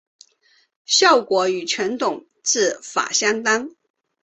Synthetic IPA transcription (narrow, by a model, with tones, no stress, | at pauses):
ɕjɑ˥˩ʊkwɔ˧˥y˨˩t͡ɕʰɛ˧˥nt̪ʊ˨˩ŋ | ʈ͡ʂɹ̩˥˩fa̰˨˩ɕjɑ˥ŋt̪a˥ŋ